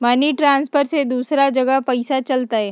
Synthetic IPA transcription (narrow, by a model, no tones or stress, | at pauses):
maniʈɾãːnspʰəɾsed̪uːsɾad͡ʒɐɡəpɐɪsat͡ʃɐlt̪aɦɛː